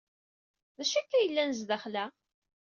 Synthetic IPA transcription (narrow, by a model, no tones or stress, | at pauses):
ðæʃækːæjəlːænzðæχlæ